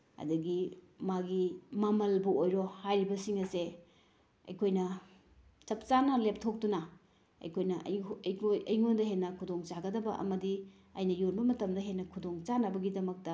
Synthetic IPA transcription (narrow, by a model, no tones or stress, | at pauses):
ɐ̰dɐɡi | maɡimɐmɐlbuojɾohajɾibɐsiŋɐse | ɐ̰jkʰojnɐ | t͡ʃɐp̚t͡ʃanɐlep̚tʰok̚tunɐ | ɐ̰jkʰojnɐʔojɐjŋondɐɦenːɐkʰudoŋt͡ʃaɡɐdɐbɐʔɐ̰mɐdi | ɐjnɐjonbɐmɐtɐmdɐɦenːɐkʰudoŋt͡ʃanɐbɐɡidɐmɐk̚tɐ